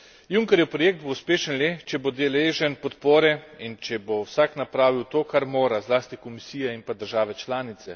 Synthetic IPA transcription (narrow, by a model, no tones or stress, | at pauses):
juŋkɛɾjɔpɾɔjek̚d̪̚bouspeːʃənleːt͡ʃɛbod̪ɛleːʒɛnpɔt̪poːɾɛint͡ʃɛbowsaknapɾaːʋiwt̪oːkaɾmoːɾazlaːst̪ikomisiːjainpad̪əɾʒaːʋɛt͡ʃlaːnit̪sɛ